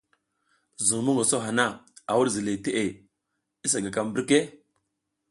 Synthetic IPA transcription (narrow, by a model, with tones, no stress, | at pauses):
zu˨ŋ˨mu˦ŋo˨so˦ɦa˨na˦a˨wu˦ɾzi˨le˨te˦ʔe˨ | i˦s̬a˨ɡa˨ka˦mbi˦ɾke˦